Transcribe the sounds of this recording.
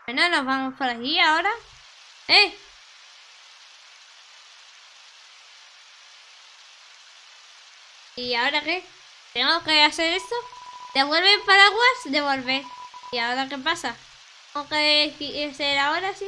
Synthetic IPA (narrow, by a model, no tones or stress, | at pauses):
enono̞zβamo̞spoɾaʝiao̞ɾa | e | iao̞ɾake | t̪e̞ŋɡokease̞ɾest̪od̪eβwelβepaɾaɣwasd̪e̞βo̞lβeiao̞ɾake̞pasa | t̪eŋɡokeiseɾao̞ɾasi